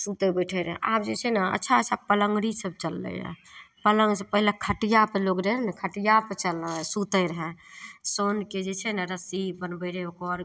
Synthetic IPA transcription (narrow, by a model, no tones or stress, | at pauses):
sut̪əbəʈʰəɾəɦɛ̰̃ʔa̰b̚d͡ʒet͡ʃʰɛnaə̰tːʃʰaət͡ʃʰapələŋɡɽisəb̚t͡ʃəlːə̰ja̰pələŋɡsəpəɦilekʰəʈijapeloɡɾɛɦɾnəkʰəʈijapet͡ʃəlːsut̪əɾəɦɛ̃sonked͡ʒet͡ʃʰɛnaɾəsipənbəɪɾeokɔɾ